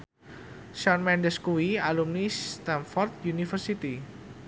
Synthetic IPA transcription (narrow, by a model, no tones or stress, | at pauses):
ʃɔnmɛndəskuwialumnist̪anfɔrt̪̚junifərsit̪i